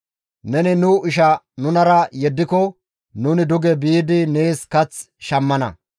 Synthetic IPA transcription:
nɛnɪnʊʔɪʃɐ | nʊnɐɾɐjɛd̪ːɪkɔ | nʊːnɪd̪ʊɡɛbiːd̪ɪne̞ːskɐt͡s | ʃɐmːɐnɐ̰

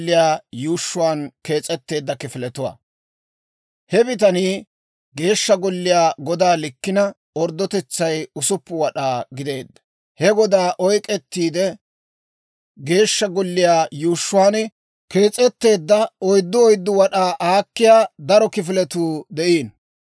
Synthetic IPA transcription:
ɪjaːjuːʃːʊwaːnke̞ːt͡sʼɛt̪ːe̞ːd̪ːɐkɪfɪlɛt̪ʊwa̰ː | hɛbɪt̪̬ɐniː | ɡe̞ːʃːɐɡɔlːɪjaːɡɔd̪aːlɪkːɪnɐ | ɔɾd̪ɔt̪ɛt͡sːɐjʊsʊpːʊwɐɗaːɡɪd̪e̞ːd̪ːɐ̥ | hɛɡɔd̪aːʔɔjkʼɛt̪ːiːd̪ɛ | ɡe̞ːʃːɐɡɔlːɪjaːjuːʃːʊwaːn | ke̞ːt͡sʼɛt̪ːe̞ːd̪ːɐɔjd̪ːɔɔjd̪ːʊwɐɗaːʔaːkːɪjaːd̪ɐɾɔkɪfɪlɛt̪uːd̪ɛʔiːn

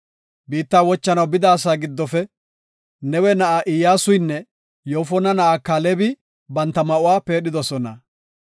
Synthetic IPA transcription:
biːt̪ːaːwɔt͡ʃːɐnɐwbɪd̪aːs̬aːɡɪd̪ːɔfɛ | nɛwɛnɐʔaʔɪjaːsʊjnːɛ | joːfɔnɐnɐʔakːaːlɛbɪ | bɐnt̪ːɐmɐʔʊwaːpe̞ːɗɪd̪ɔsɔnɐ

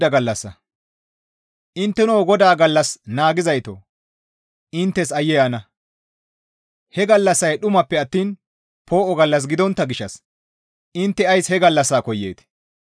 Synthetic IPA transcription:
ɐɡɐlːɐsːɐ̰ | ʔɪnt̪ːɛnoːɡɔd̪aːɡɐlːɐsnaːɡɪzɐjt̪o̰ | ʔɪnt̪ːɛsɐjɛjanɐ | hɛɡɐlːɐsːɐjɗʊmɐpːɛɐt̪ːiːn | pʰo̞ːʔɔɡɐlːɐs̬ɡɪd̪ɔnt̪ːɐɡɪʃːɐ̰s | ʔɪnt̪ːɛɐjshɛɡɐlːɐsːaːkɔjːḛːt̪

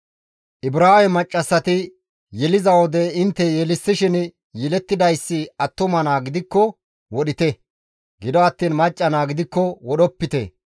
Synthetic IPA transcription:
ʔɪbɾaːmɛmɐt͡ʃʼːɐsːɐt̪ɪ | jɛlɪzɐwɔd̪ɛɪnt̪ːɛjɛlɪsːɪʃɪn | jɛlɛt̪ːɪd̪ɐjsːɪɐt̪ːʊmɐnaːɡɪd̪ɪkːɔ | wɔɗɪt̪ɛ | ɡɪd̪ɔɐt̪ːiːnmɐt͡ʃʼːɐnaːɡɪd̪ɪkːɔwɔɗɔpːɪt̪ɛ̰

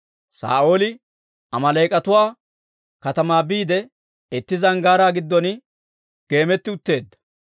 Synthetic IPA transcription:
sa̰ːʔo̞ːlɪ | ɐmɐlɐjkʼɐt̪ʊwaː | kɐt̪ɐmaːbiːd̪ɛ | ɛt̪ːɪzɐŋɡaːɾaːɡɪd̪ːɔn | ɡ̥e̞ːmɛt̪ːɪʊt̪ːe̞ːd̪ːɐ̥

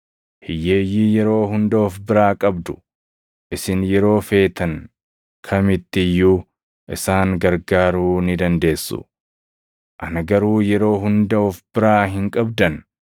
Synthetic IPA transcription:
hɪjeːjːiːjɛɾo̞ːɦʊnd̪ɐɔfbɪɾaːkʼɐbd̪ʊ̥ | ʔɪsɪnjɛɾo̞ːfe̞ːt̪ɐŋ | kʰɐmɪt̪ːɪjːu | ʔɪ̰saːŋɡɐɾɡaːɾuːnɪd̪ɐnd̪e̞ːsːʊ̰ | ʔɐnɐɡɐɾuːjɛɾo̞ːɦʊnd̪ɐɔfbɪɾaːɦɪŋkʼɐbd̪ɐn

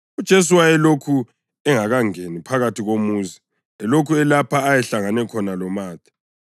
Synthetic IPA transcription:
ud̥ʒ̥ʱes̬uwaɛlokʰu | ɛŋaɣaŋenipʰaɣatʰiɣomuːzi | ɛlokʰuɛlapʰaːjɛɬaŋanɛkʰɔnalɔmaːtʰʼi̥

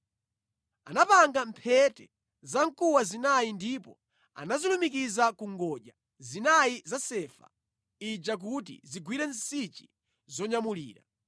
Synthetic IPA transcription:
a̰napaŋɡampʰɛtɛ | zaŋkuwazinajindipɔ̰ | a̰nazilumikizakuŋɡɔʄa | zinaizasɛfa̰ | id͡ʒak̬utḭziɡwiɾɛn̩sit͡ʃi̥ | zɔɲamulḭːɾa̰

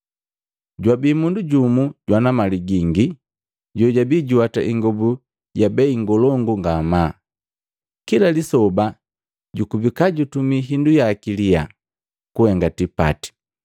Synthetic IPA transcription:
ɟwabiːmunduɟumuɟwanamaliɡiŋɡi | ɟɔɟabiɟiwataʔiŋɡɔbu | ɟabɛiŋɡɔlɔŋɡuŋɡama | kilalisɔba | ɟukubikaɟutumiɦindujakilija̰ | kuhɛŋɡatipa̰ti̥

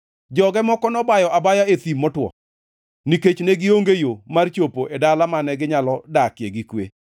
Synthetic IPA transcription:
d͡ʒɔɡɛmɔkɔnɔbajɔʔabajaet̪imːɔtwɔ̰ | niket͡ʃneɡɪoŋɡejomart͡ʃopoʔedalamanɛɡɪɲalɔdakjeɡikwḛ

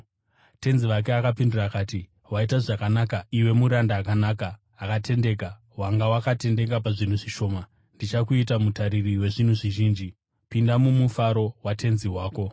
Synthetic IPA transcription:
te̞nziʋak̬e̞akapindirakaːti | waitaʐakanakaiwe̞muɾandaːkanaːkaː | kate̞nde̞ːka | ɦwaŋɡawakate̞nde̞k̬ap̬aʐin̤uʐiʃo̞ːma | ndit͡ʃakuit̬amutaɾiriwe̞ʐin̤uʐiʒiːnd͡ʒi | pindamumufaɾo̞watʰe̞nziwaːko̞

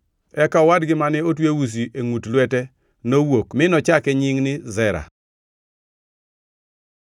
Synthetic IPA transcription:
ɛkawadɡɪmanɪot̬wewus̬iʔeŋutlwɛtɛ | nowokmɪnɔt͡ʃakɛɲɪŋnɪzɛɾa̰

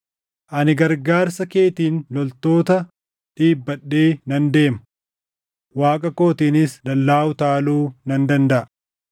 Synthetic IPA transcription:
ʔɐnɪɡɐɾɡaːɾsɐke̞ːt̪iːnlɔlt̪o̞ːt̪ɐ | ᶑiːbːɐɗːeːnɐnd̪e̞ːmɐ | waːkʼɐko̞ːt̪iːnɪsd̪ɐlːaːʊt̪aːluːnɐnd̪ɐnd̪ɐʔɐ

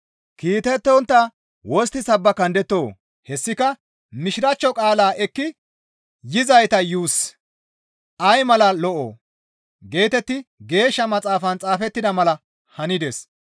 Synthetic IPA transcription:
kiːt̪ɛt̪ːɔnt̪ːɐ | wɔs̬t̪ːɪsɐbːɐkɐnd̪ɛt̪ːo̞ː | hɛsːɪkɐ | mɪʃɪɾɐt͡ʃːɔkʼaːlaːʔɛkːɪ | jɪzɐjt̪ɐjuːs | ɐjmɐlɐlɔʔo̰ː | ɡe̞ːt̪ɛt̪ːɪɡe̞ːʃːɐmɐt͡sʼaːfɐnt͡sʼaːfɛt̪ːɪd̪ɐmɐlɐ | hɐnɪd̪ɛs

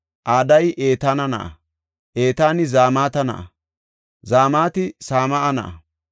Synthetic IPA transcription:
ʔaːd̪ɐjʔe̞ːt̪aːnɐnɐ̰ʔɐ̰ | ʔeːt̪aːnɪzaːmaːt̪ɐnɐ̰ʔɐ̰ | zaːmaːt̪ɪsaːmɐʔɐnɐ̰ʔɐ

